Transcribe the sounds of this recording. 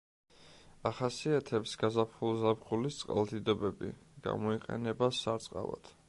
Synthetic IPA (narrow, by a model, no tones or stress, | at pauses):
aχasiat̪ʰɛpsɡazapʰχulˠzapχulist̪sʼqʼa̰lˠd̪id̪ɔbɛbḭɡ̥a̰mɔiqʼɛ̰nɛbasːaɾt̪sʼqʼa̰va̰t̪ʰ